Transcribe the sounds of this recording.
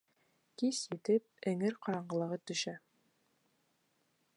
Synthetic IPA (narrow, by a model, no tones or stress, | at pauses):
kisjɘ̆t̪ɘp̚ɘ̆ŋɘɾqɑɾɑɴɢɤ̆lˠɤ̆ʁɤt̪ɵ̆ʃæ